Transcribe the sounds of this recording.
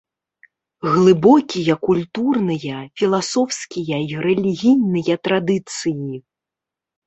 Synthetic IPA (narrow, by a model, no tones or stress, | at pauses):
ɣlˠɨbɔkʲijɐkulʲt̪urnɨjɐfʲilˠasɔwskʲijɐiɾɛlʲiɣʲijnɨjɐt̪ɾad̪ɨt̪sɨji